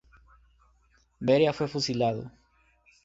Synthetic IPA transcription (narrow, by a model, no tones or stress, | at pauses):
beɾjafwefusilaðʊ̰